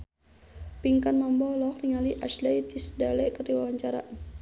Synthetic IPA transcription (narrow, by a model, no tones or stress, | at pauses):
piŋkanmambɔlɔkniŋaliʔaʃlɛjt̪isdalɛkəriwawaɲt͡ʃaɾa̰ʔ